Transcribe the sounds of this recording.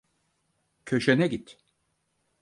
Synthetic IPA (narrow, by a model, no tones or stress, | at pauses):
cʰø̞ʃenɛɟit̪